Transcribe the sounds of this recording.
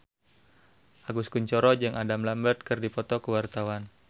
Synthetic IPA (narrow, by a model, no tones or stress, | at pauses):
ʔaɡuskuɲt͡ʃɔɾɔd͡ʒɨŋʔadamlambərt̪̚kərdipɔt̪ɔkəwart̪awan